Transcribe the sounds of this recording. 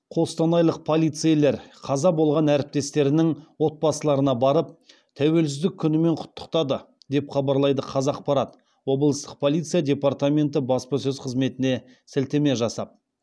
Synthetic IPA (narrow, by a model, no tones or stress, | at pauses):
qʰo̞st̪ɑnɑjlˠəq̚pʰo̞lʲˠijt̪sɨjele̞ɾqʰɑzɑbo̞lˠʁɑnæɾɪp̚t̪e̞st̪e̞ɾɪnɪŋwo̞t̪̚bɑsəlˠɑɾənɑbɑɾəp̚ | t̪ʰæwe̞ls̬ɪzd̪ɪkʲʰːʏnɪme̞ɴqʰʊ̥t̪ːə̥qt̪ɑd̪ə | d̪e̞pχɑbɑɾlˠɑjd̪əqʰɑzɑq̚pɑɾɑt̪ | wo̞blˠəst̪əq̚pʰo̞lˠijt̪sijad̪ʲe̞part̪amʲe̞nt̪ɪbɑspɑsɵzqʰəzme̞t̪ɪne̞ | sɪlt̪eme̞ʒɑsɑp̚